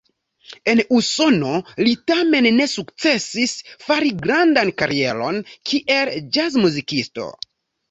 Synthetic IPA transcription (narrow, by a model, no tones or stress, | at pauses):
e̞nuso̞no̞litame̞nːe̞sukt͡se̞sisfaɾiɡɾandankaɾie̞̰lo̞̰nkʰiʔeld͡ʒazmuzikisto̞̰